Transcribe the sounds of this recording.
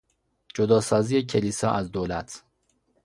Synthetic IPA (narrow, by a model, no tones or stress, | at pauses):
d͡ʒod̪ɒːsɒːziːjecʰe̞liːsɒːʔæzd̪oːlæt̪ʰ